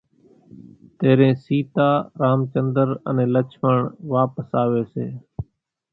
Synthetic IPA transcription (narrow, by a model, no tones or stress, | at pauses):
t̪eːɾẽːsiːt̪aːɾaːmt͡ʃənd̪əɾə̰nẽːlət͡ʃʰməɳʋaːpəsaːʋeːseː